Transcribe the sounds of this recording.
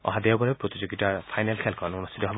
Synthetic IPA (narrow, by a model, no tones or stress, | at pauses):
ɔ̰ɦad̪ijabɔɾepɾot̪id͡ʒoɡitaɹpʰajnelkʰelkʰɔnunustʰit̪ɔɦeb